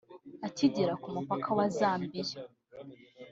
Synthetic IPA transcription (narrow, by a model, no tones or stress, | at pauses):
aciɟiɾakumupakʰawazaːmbije